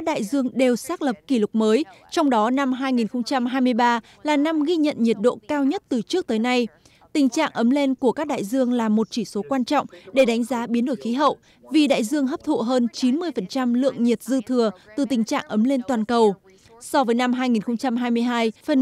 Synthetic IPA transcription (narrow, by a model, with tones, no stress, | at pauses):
ka˦˥k̚ɗa̰ː˧˨jzɨ˧əŋɗe˨˩wsaː˦˥k̚lə˨˩p̚ki˧˩lʊ˨˩k͡p̚məː˨˦jt͡ɕɔ˧wŋ͡mɗɔ˨˦na˧mɦaː˧jŋi˨˩nxə˧wŋ͡mt͡ɕa˧mɦaː˧jmɨ˧əjɓaː˧ | laː˨˩na˧mɣi˧ɲə̰˧˨nɲi˨˩ət̚ɗo̰˧˨kaː˧wɲə˦˥t̚t̪ɨ˨˩t͡ɕɨ˦˥ək̚t̪əː˨˦jna˧j | t̪ï˨˩ŋ̟t͡ɕa̰ː˧˨ŋʔə˨˦mle˧nku˧˩əkaː˦˥k̚ɗa̰ː˧˨jzɨ˧əŋlaː˨˩mo˨˩t̚t͡ɕi˧˩so˨˦kwaː˧nt͡ɕɔ̰˧˨wŋ͡mɗe˧˩ɗa˨˦jŋ̟zaː˨˦ɓi˨˦ənɗo˧˩jxi˨˦ɦə̰˧˨w | vi˨˩ɗa̰ː˧˨jzɨ˧əŋɦə˦˥p̚t̪ʰṵ˧˨ɦəː˧nt͡ɕi˨˦nmɨ˧əjfə˨˩nt͡ɕa˧mlɨ̰˧˨əŋɲi˨˩t̚zɨ˧t̪ʰɨ˨˩ət̪ɨ˨˩t̪ï˨˩ŋ̟t͡ɕa̰ː˧˨ŋʔə˨˦mle˧nt̪waː˨˩nkə˨˩w | sɔ˧vəː˨˦jna˧mɦaː˧jŋi˨˩nxə˧wŋ͡mt͡ɕa˧mɦaː˧jmɨ˧əjɦaː˧jfə˨˩n